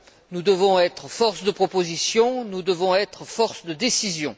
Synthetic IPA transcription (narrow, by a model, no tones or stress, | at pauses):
nud̪əvɔ̃ɛt̪χfɔʁsd̪əpχɔpozisjɔ̃nud̪əvɔ̃ɛt̪χfɔʁsd̪əd̪esizjɔ̃